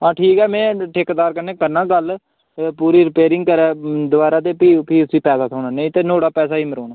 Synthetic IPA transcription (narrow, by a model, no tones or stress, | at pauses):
ãːʈʰiːkɛːmɛ̃ːʈʰɪkd̪aːɾkəɾneːkəɾnãːɡəl | puːɾiːɾɪpeːɾɪŋɡkəɾɛːd̪ʊbaːɾaːt̪eːpiːpiːsʋiːpɛːsaːsʰoːnaːnə̃ĩːt̪eːnoːɽaːpɛːsaːiːməɾoːnaː